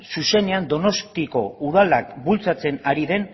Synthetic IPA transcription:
suse̞ne̞and̪o̞no̞st̪iko̞uðalak̚bult͡sat͡se̞naɾiðe̞n

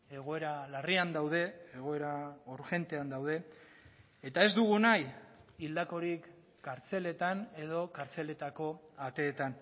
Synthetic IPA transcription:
e̞ɣ̞o̞e̞ɾalariand̪awð̞e̞eɣ̞o̞e̞ɾaoɾʝe̞nt̪e̞and̪awð̞e̞ | et̪ae̞zd̪uɣ̞unajild̪ako̞ɾikː | aɾt͡se̞le̞t̪ane̞ð̞o̞kaɾt͡se̞le̞t̪ako̞at̪e̞ːt̪an

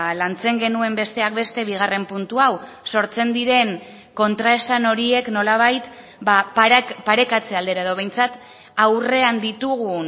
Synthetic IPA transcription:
lant͡se̞ŋɡe̞nue̞mbe̞st̪e̞ak̚be̞st̪e̞βiɣ̞are̞mpunt̪uaw | so̞ɾt͡se̞nd̪iɾe̞ŋ | ko̞nt̪ɾae̞sano̞ɾie̞kno̞laβ̞ajt̪ | bappaɾe̞kat͡se̞ald̪e̞ɾaeðo̞βe̞jnt͡sat̪ | awre̞and̪it̪uɣu

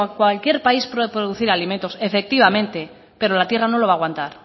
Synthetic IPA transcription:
kwalkje̞ɾpaispɾoðpɾoðuθiɾaliment̪o̞sefe̞k̚t̪iβ̞amẽ̞nt̪e̞ | pe̞ɾo̞lat̪jerano̞lo̞βaːɣwant̪aɾ

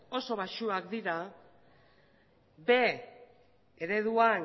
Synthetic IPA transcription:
o̞so̞βaʃuakd̪iɾa | be̞ | eɾe̞ð̞uan

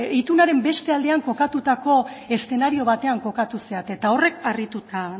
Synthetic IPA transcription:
it̪unaɾe̞mbe̞st̪e̞ald̪e̞aŋko̞kat̪ut̪ako̞e̞st̪e̞naɾio̞β̞at̪e̞aŋko̞kat̪useat̪e̞t̪ao̞re̞karit̪ut̪a

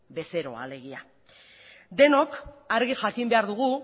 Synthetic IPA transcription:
be̞se̞ɾo̞̰a̰le̞ɣ̞ia̰ | d̪e̞nokaɾɣiʝakimbe̞aɾðuɣ̞u

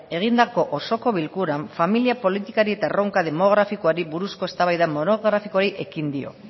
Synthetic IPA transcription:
e̞ɣ̞ind̪ako̞ʔoso̞ko̞βilkuɾaɱfamiliapo̞lit̪ikaɾie̞t̪aeroŋkað̞e̞mo̞ɣ̞ɾafikoaɾiβuɾusko̞e̞st̪aβajðamo̞no̞ɣɾafiko̞ɾiʔe̞kind̪io̞̰

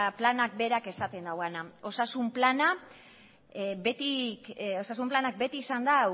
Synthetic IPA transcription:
planak̚be̞ɾake̞sat̪e̞nd̪awɣanao̞sasumplana | bet̪io̞sasumplanak̚be̞t̪iːsand̪a

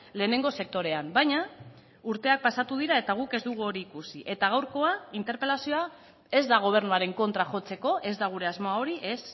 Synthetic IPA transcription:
le̞ːne̞ŋɡo̞se̞k̚t̪o̞ɾe̞ambajɲa | uɾt̪e̞ak̚pasat̪uð̞iɾae̞t̪aɣ̞uke̞zd̪uɣ̞uo̞ɾiːkusiʔe̞t̪aɣ̞awɾko̞aint̪e̞ɾpe̞lasio̞a | e̞zd̪aɣ̞o̞β̞e̞ɾnuaɾe̞ŋko̞nt̪ɾaxo̞t͡se̞ko̞ʔe̞zd̪aɣ̞uɾe̞azmoao̞ɾiʔe̞s

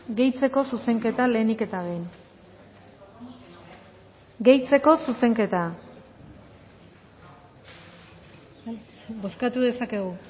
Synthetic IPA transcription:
ɡe̞jt͡se̞ko̞suse̞ŋke̞t̪ale̞ːnike̞t̪aβejn | ɡe̞jt͡se̞ko̞suse̞ŋke̞t̪a | bo̞skat̪uðe̞sake̞ɣu

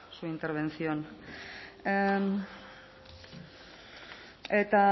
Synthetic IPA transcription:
suint̪eɾβe̞nt͡sion | et̪a

